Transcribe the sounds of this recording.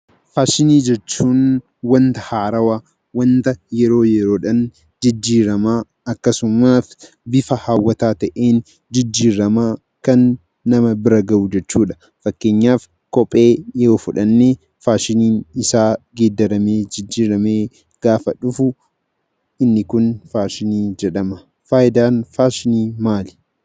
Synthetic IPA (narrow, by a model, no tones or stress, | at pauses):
faːʃɪniːd͡ʒɛt͡ʃːuːn | wɐnt̪ɐhaːɾɐwa | wɐnt̪ɐjɛɾo̞ːjɛɾo̞ːᶑɐn | d͡ʒɪd͡ʒːiːɾɐmaː | ɐkːɐsʊmaːf | bɪfɐhaːwːɐt̪aːt̪ɐʔeːn | d͡ʒɪd͡ʒːiːɾɐmaː | kɐnː | ɐmɐbɪɾɐɡɐʔud͡ʒɛt͡ʃːuːᶑɐ̥ | fɐkːe̞ːɲːaːf | kɔpʼːe̞ːjɛoːfʊᶑɐnːeː | faːʃɪniːnɪsaːɡeːd̪ːɐɾɐmeːd͡ʒɪd͡ʒːiːɾɐmeː | ɡ̥aːfɐᶑʊfʊ | ɪnːɪkʊnfaːʃɪniːd͡ʒɛᶑɐmɐ | faːjɪd̪aːnfaːʃɪniːmaːlɪ̥